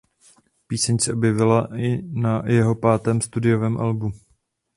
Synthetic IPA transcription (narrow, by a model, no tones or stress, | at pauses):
piːsɛɲsɛʔo̞bjɛvɪlaɪnajɛɦo̞paːt̪ɛːmst̪udɪjo̞vɛːmʔalbu